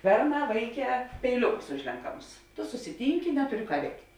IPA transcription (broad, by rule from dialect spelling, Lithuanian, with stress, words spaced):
ˈbʲɛrˌnɑː ˈʋɐɪˌkʲɛː pʲɛɪˈlʲʊkʊs ˈʊʒʲlʲɛŋkɐmʊs tʊ sʊsʲɪˈtʲiːŋʲkʲɪ ˈnʲæːtʊˌrʲɪ ˈkɑː ˈʋʲɛɪktʲ